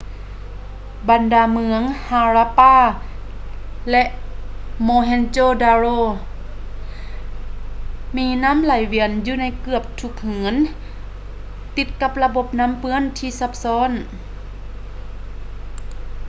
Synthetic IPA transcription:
ba˨ndaː˧˩mɯ˧əŋhaː˧ɾaː˧paː˧˥˩ | lɛ˧ʔmoː˧ɦɛ˧nt͡ɕoː˧˨daː˧ɾoː˧˨ | miː˧˥na˧˥˨mla˨˩jwi˧˩ənjuː˧na˧˥˩jkɯ˧˩əp̚t̪ʰu˧˦k̚hɯː˨˦n | t̪i˧˥t̪̚ka˧p̚la˧bo˧˦p̚na˧˥˨mpɯ˧˥ə˨nt̪ʰiː˧˨sa˧˥p̚sɔː˧˥˨n

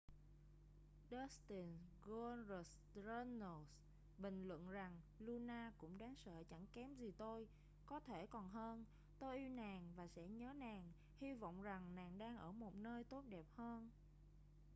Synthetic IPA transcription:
ɗə˨˦˥st̪i˨˩nɣo˧zə˨˩s | zə˧no˨˩s | ɓï˨˩ŋ̟lwə̰˧˨nza˨˩ŋlu˧naː˧kʊ̰˧˥ŋ͡mɗaː˨˦ŋsə̰ː˧˨t͡ɕa˧˩ŋkɛ˨˦mzi˨˩t̪o˧j | kɔ˨˦t̪ʰe˧˩kɔ˨˩nɦəː˧n | t̪o˧jʔi˧wnaː˨˩ŋvaː˨˩sɛ̰˧˥ɲəː˨˦naː˨˩ŋ | hi˧vɔ̰˧˨wŋ͡mza˨˩ŋnaː˨˩ŋɗaː˧ŋʔəː˧˩mo˨˩t̚nəː˧jt̪o˦˥t̚ɗɛ˨˩p̚həː˧n

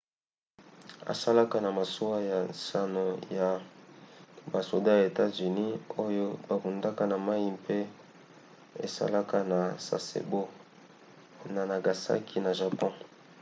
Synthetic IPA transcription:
a̰˨sa˦la˦ka˦na˨ma˨so˦wa˦ja˨sa˨no˨ja˨ | ba˨so˨da˦ja˨e˨ta˦zy˨ni˦o˦jo˦ba˨ku˨nda˦ka˦na˨ma˦ji˦mpe˦ | ḛ˨sa̰˦la˦ka˦na˨sa̰˨sḛ˨bo˦ | na˨na˨ɡa˨sa̰˦kʰi˦na˨ʒa˨pɔ̃˦

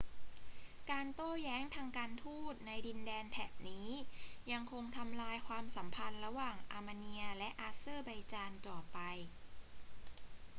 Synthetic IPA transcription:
kaː˧nt̪oː˥˩jɛː˦˥ŋt̪ʰaː˧ŋkaː˧nt̪ʰuː˥˩t̪̚na˧jdi˧ndɛː˧nt̪ʰɛː˨˩p̚niː˦˥ja˧ŋkʰo˧ŋt̪ʰa˧mlaː˧jkʰwaː˧msa˩˦mpʰa˧nɾa˧waː˨˩ŋʔaː˧ma˧ni˧ɐlɛ˦˥ʔaː˧˥sɤː˥˩ba˧jt͡ɕaː˧nt͡ɕɔː˨˩pa˧j

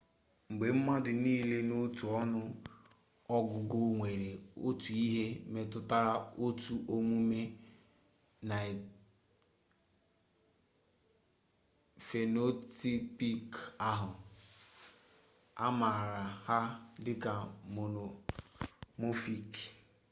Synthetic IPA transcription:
ŋ͡m̩˨ɡ͡be˨m̩˦ma˦dɪ˨niː˦le˦no˦tu˨ɔ˦nʊ˦ | ɔ˦ɡʊ˨ɡʊ˦ŋʷe˨ɾe˨o̰˦tu˨i˦ɦe˦me˨tʊ˦ta˦ɾa˦o˦tu˨ʔo˦mu˦me˦ | na˨ | fe˨no˦ti˦pi˦ka˦ɦʊ˨ | a̰˦ma˨ɾa˨ha˦dɪ˦ka˨mo˨no˨ | mo˦fi˦k

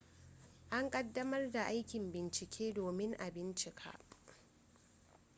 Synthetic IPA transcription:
ʔa˦ŋkʼɐ˦dːɐ˦mɐ˦rda˨ʔa˦jkʲɪ˨mbɪ˨nt͡ʃɪ˨kʲʰeː˦doː˨mɪ˦ŋʔa˨bɪ˦nt͡ʃɪ˨kʰa̰ː˦

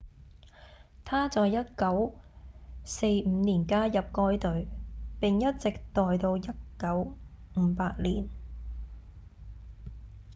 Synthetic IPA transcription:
t̪ʰaː˥t͡sɔː˨jjɐ˥t̚kɐ˨˥w | se˧jm̩˨˧˥niː˨˩nkaː˥jɐ˨p̚kɔː˧˥jt̪ɵ˨˥ɥpɪ˨ŋjɐ˥t̚t͡sɪ˨k̚t̪ɔː˨jt̪o˧wjɐ˥t̚kɐ˨˥w | ŋ̩ː˨˧˦paː˧t̚liː˨˩n

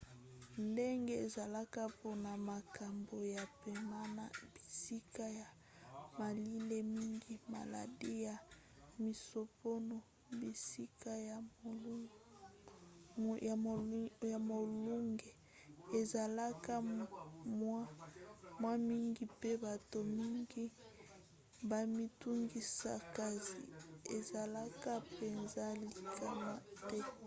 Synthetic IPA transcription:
nde˦ŋɡe˦e˨za˨la˦ka˨vo˨na˨ma˨kʰa˨mbo˨ja˨pe˨ma˦na̰˨b̥i˨si˦ka˦ja˨ | ma˨li˦le˦mi˦ŋɡi˨ma̰˨la̰˨di˦ja˨ | mi˨so˨po˦no˨ | bi˨si˦ka˦j | ja˨ja˨mo˨lu˦ŋɡe˨ | e˨za˨la˦ka˦ | mwa˦mwa˦mi˦ŋɡi˨pe˦ba˨to˨mi˦ŋɡi˦ | ba˨mi˦tu˦ŋɡi˦sa˦ka˨zḭ˨e˨za˨la˦ka˦pe˨nza˦li˨kʰa˦na˦tɛ˦˨

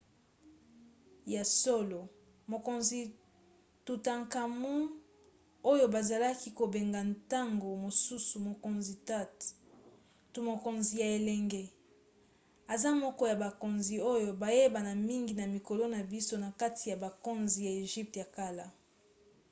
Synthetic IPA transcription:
ja˨so˦lo˨ | mo˨ko˨nzi˨ | tu˨ta˨ŋka˨mu˦ | o˦jo˦ba˨za˨la˦ki˦ko˨be˨ŋɡa˨nta˦ŋɡo˨mo˨su˦su˨mo˨ko˨nzi˨ta˦t | tu˨mo˨ko˨nzi˨ja˨e˨lɛ˨ŋɡɛ˦ | a˨za˦mɔ˦kɔ˦ja˨ba˨ko˨nzi˨o˦jo˨ba˨je˦ba˨na˨mi˦ŋɡi˨na˨mi˨ko˨lo˦na˨bi˦so˦na˨ka˦tʰi˨ja˨ba˨ko˦nzi˨ja˨e˨ʒi˦p̚tja˨ka˦la˦

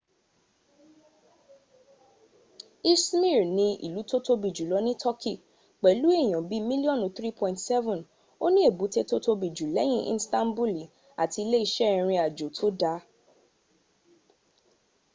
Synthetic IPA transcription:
i˦smi˦˨ɾnĩ˧ḭ˨lu˨˦to˦to˦bi˨d͡ʒu˨lɔ˨˦nĩ˦tʰɔ˦ki˦˨ | k͡pɛ˨lu˨˦e˦˨j̃ɔ̃˨bi˨˦mĩ˦li˦ɔ̃˦˨nũ˨˦θɾi˦pɔ̃˧˨ĩ˨ntsɛ˦vũ˨n | o˦nĩ˦e˦˨bu˨˦te˦to˦to˧bi˨d͡ʒu˨lɛ˨˦j̃ĩ˦ʔḭ̃˧˦stã˦nbu˦li˨ | a̰˨ti˧le˦i˧ʃɛ˦˨ɾ̃ĩ˧a˨d͡ʒo˨tʰo˦da˧˦

